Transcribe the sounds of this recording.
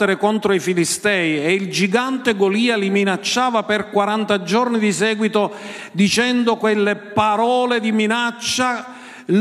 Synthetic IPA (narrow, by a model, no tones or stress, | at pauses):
eɾekont̪ɾoifilist̪ɛːjeild͡ʒiɡant̪eɡoliːaliminat͡ʃːaːvaperkwaɾant̪ad͡ʒornid̪isɛːɡwit̪o | d̪it͡ʃɛnd̪okwelːepaɾɔːled̪iminat͡ʃːa | l